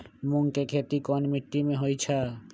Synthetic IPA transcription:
muŋkekʰet̪ikɔnmiʈːimeɦojt͡ʃʰa

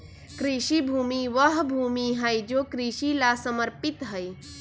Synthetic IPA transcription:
kɾiʃibʱuːmiʋəɦbʱuːmiɦəjd͡ʒokɾiʃilasəməɾpɪt̪ɦəj

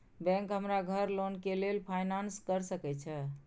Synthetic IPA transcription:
bɛ̃ŋkɦəmɾaɡʱəɾlonkelelpʰajnanskəɾsəkɛt͡ʃʰɛ

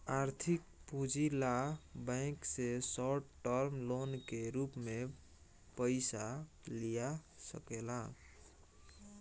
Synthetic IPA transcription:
aɾt̪ʰikpud͡ʒilabə̃ksesɔʈʈəɾmlonkeɾupme | pəɪsalijasə̰kela

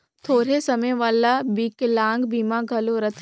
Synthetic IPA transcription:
t̪ʰoːɾesəməjʋaːlabiklãːŋɡbiːmaɡʱɐloɾət̪ʰ

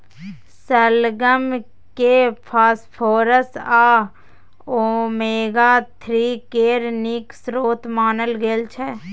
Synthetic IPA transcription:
səlɡəm | kepʰaːspʰoːɾəsaː | oːmeːɡaːt̪ʰɾiːkeːɾniksɾoːt̪maːnəlɡeːlt͡ʃʰɛ

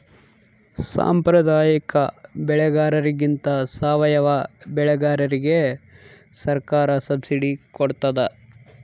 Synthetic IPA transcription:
sa̰ːmpɾɐd̪aːjɐkɐbɛɭɛɡaːɾɐɾiɡint̪ɐsaːʋɐjɐʋɐbɛɭɛɡaːɾɐɾiɡe | sɐɾkaːɾɐsɐbsiɖikoɽt̪ɐd̪e

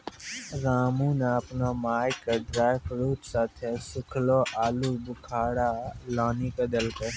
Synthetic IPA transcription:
ɾaːmũːnaɐpnamaːjkaɖɾaːjfɾuːt̪saːt̪ʰesʊkʰloːʔaːluːbʊkʰaːɽaːlaːniːkɐd̪ɐlke

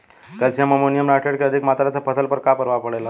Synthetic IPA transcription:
kəlsijaməmonijəmɾaʈeɽkeəd̪ʱikmat̪ɾat͡sapəsəlpəɾkapəɾʋapəɽajla

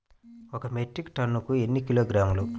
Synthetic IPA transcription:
ɔkɐmeʈɾikʈɐnːukue̞nːikiloːɡɾaːmulu

